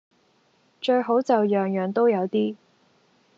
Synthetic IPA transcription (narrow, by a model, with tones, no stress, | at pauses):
t͡ʃɵ˧ɥɦo˨˥wt͡sɐ˨wjœː˨ŋjːŋt̪o˥wjɐ˨˧wt̪iː˥